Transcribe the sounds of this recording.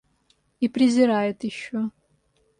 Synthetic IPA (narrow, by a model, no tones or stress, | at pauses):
ipɾʲɪzʲɪɾajʊtʰjɪʃːo